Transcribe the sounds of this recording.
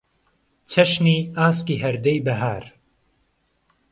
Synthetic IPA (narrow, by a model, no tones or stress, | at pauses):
t͡ʃʰɐʃniːaːskiːɦɐɾd̪ɛjbɐɦaːɾ